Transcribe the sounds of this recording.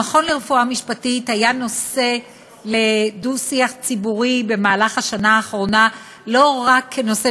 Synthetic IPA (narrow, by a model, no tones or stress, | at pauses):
aχo̞nleʁefuamiʃpatithajano̞se̞ | le̞dusiaχt͡sibuʁibe̞maːlaχhaʃanaːχʁo̞na | lo̞ʁakʰːeno̞se